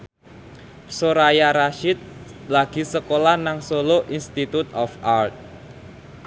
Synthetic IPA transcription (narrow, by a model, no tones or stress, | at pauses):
soɾajaɾaʃɪt̪̚laɡ̥i̤səkolanaŋsoloʔinst̪it̪ut̪ɔfart̪̚